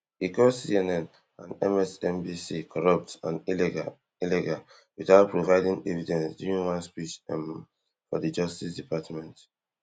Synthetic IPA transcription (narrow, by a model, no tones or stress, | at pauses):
ikɔsiɛnɛ̃n | ãnɛ̰̃mɛsɛ̃mbisikʰɔɹʌp̚tãni | ilɛɡa | wiθaʊt̚pʰɹovaɪdĩŋɛvidɛ̃nsduɹĩŋwɔ̃nspit͡ʃ | fɔ̰ðəd͡ʒʌstisdipʰatmɛ̃nt